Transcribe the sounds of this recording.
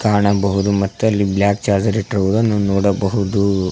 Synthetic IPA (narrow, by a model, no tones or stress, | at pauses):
kaːɳɐbɐɦud̪umɐt̪ːuɐlːibljaːk̚t͡ʃaːɾd͡ʒɐɾiʈɾɐʋud̪ɐnːunɔːɽɐbɐɦud̪u